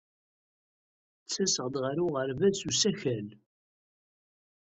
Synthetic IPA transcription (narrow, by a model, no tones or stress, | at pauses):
t͡sːæsəʁd̪ʁəɾʊʁəɾvæsusæçæl